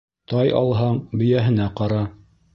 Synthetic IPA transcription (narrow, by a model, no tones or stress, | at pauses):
t̪ɑjɑ̰lˠɦɑɴbɘ̆jæɦɘ̆næqɑɾɑ